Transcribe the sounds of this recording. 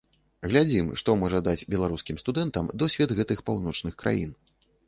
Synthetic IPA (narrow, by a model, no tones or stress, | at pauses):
ɣlʲad͡zʲimʂt̪ɔmɔʐɐd̪at͡sʲbʲɛlˠaɾuskʲimst̪ud̪ɛnt̪ɐmd̪ɔsʲvʲɛd̪ɣɛt̪ɨxpawnɔt͡ʂnɨxkɾʔa̰jḭn